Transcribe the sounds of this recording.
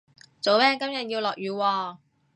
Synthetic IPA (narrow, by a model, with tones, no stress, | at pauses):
t͡so˨wmɛː˥kɐ˥mjɐ˨t̚jiː˧wlɔː˨k̚jyː˨˧wɔː˧